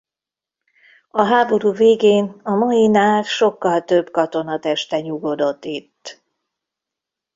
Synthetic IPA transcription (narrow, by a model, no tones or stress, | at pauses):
ɒɦaːbo̞ɾuːveːɡeːnɒmɒjinaːrʃo̞kːɒlt̪øbkɒt̪o̞nɒt̪ɛʃt̪ɛɲuɡo̞d̪o̞t̪ːit̪ː